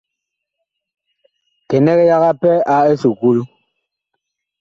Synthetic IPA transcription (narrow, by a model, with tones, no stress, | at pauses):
kɛ˨nɛ˦ɣɛ˦ja˦ɣa˦pɛ˦a˦e˦su˨ku˦lu˦